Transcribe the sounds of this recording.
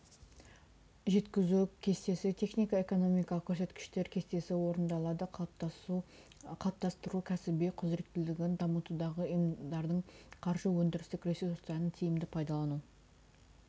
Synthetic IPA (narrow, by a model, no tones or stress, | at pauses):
ʒe̞t̪kʲɪzukʲʰe̞st̪e̞sɪt̪ʰe̞χnijkɑe̞ko̞no̞mijkɑlˠəqkʲʰːɵɾse̞t̪kʲɪ̥ʃt̪e̞ɾkʲʰe̞st̪e̞sɪwo̞ɾənd̪ɑlˠɑd̪ə | qʰɑlˠp̚t̪ɑst̪əɾukʲʰæsɪbeqʰʊzɾe̞kt̪ːɪlɪɡʲɪnd̪ɑmət̪ud̪ɑʁəjmd̪ɑɾd̪əɴqʰɑɾʒəwɵnd̪ɪɾɪst̪ɪkɾesej̪ost̪ɑnət̪ʰijɪmd̪ɪpʰɑjd̪ɑlˠɑnu